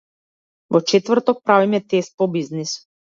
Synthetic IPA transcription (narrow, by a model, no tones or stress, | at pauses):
vɔt͡ʃɛt̪vrɾt̪ɔk̚pɾavimɛt̪ɛst̪̚pɔbiznis